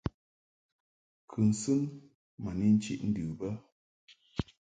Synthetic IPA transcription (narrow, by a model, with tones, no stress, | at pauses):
kʰɨ˨n̩˨sɨ˦n | ma˨ni˦˨n̩˦t͡ʃḭ˦ʔn̩˦dʉ˨bə˦